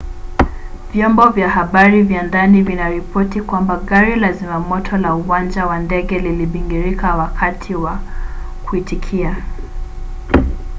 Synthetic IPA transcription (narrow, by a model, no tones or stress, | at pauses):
vjɔmbɔvjahaɓaɾivjandanivinaɾipɔtikwambaɠaɾilazimamɔtʰɔlauwand͡ʒawandɛɠɛliliɓiŋɡiɾikawakʰatʰiwa | kuitikʰia